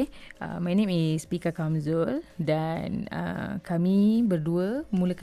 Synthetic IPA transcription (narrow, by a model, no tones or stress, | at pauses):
ə̰majnẽmispikəkansɔldanə̰kamĩbərduəmũlək